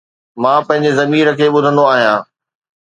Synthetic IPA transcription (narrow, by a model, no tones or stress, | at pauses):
mãːpɐ̃ɦɪ̃ɲd͡ʑezɐmiːɾəkʰeːɓʊd̪ʱə̃nd̪oaːɦijãː